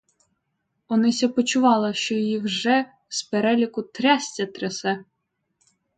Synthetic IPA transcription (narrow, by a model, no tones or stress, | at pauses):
ɔnɪsʲɐpɔt͡ʃʊʋɑlˠɐʃt͡ʃɔjɔjiwʒɛ | speɾɛlʲikʊt̪ɾʲɑsʲtʲɐt̪ɾesɛ